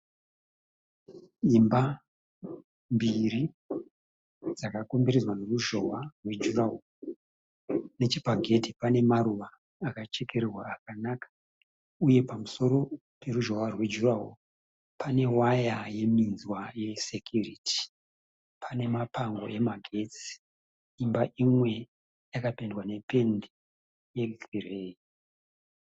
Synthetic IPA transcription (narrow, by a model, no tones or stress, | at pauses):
imba | mbiri | d͡zakakombiɾizwaneruʒo̞warwe̞d͡ʒuɾaɦo | ne̞t͡ʃipaɡʱe̞ti̥pane̞maɾuʋaː | kat͡ʃe̞ke̞ɾerwaːkanakḁ | uje̞pamuso̞ɾo̞ | pe̞ruʒowarwed͡ʒuraṵ | pʰane̞wajaje̞minzwaje̞sekjuritʰi̥ | pʰane̞mapaŋɡo̞̰ʔe̞maɡʱe̞t͡si | imbaʔimwe̞ | jakapendwane̞pe̞ndi | je̞ɡireːi